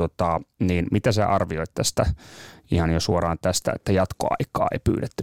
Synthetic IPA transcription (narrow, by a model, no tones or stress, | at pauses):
ot̪ɑniːnmit̪æsḛʔɑrʋioit̪t̪æst̪æihɑnjosuorɑːnt̪æst̪æ̰ḛt̪ːæjɑt̪ko̰ɑ̰ikɑ̰ːḛipy̰ːɾet̪ːy